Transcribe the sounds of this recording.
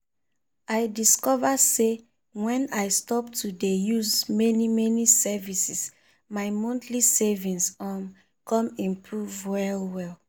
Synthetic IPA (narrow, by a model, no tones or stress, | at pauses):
ajdiskɔvase | wɛ̃najstɔp̚tʰudejuzmɛnimɛnisɛvisis | maɪmɔ̃ntʰlisevĩnsam | kɔ̃mĩmpʰɹuvwɛlwɛl